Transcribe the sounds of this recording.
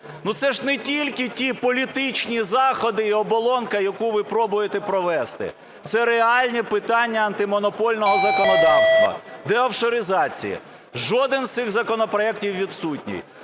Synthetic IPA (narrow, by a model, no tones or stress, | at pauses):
nut̪sɛʒnɛtʲilʲkɪtʲipɔlʲit̪ɪt͡ʃnʲizɑxɔd̪ɪiɔbɔlˠɔnkɐjɐkuʋɪpɾɔbʊjet̪ɛpɾɔʋɛst̪ɪ̰ | t̪sɛɾeɑlʲnʲipɪt̪ɑnʲːɐɐnt̪ɪmɔnɔpɔlʲnɔɦɔzɐkɔnɔd̪ɑwst̪ʋɐ̰d̪ɛɐwʃɔɾɪzɑt͡sʲḭjḭ | ʒɔd̪ɪnzst̪sɪɣzɐkɔnɔpɾɔɛk̚tʲiwʋʲid̪sutʲnʲḭj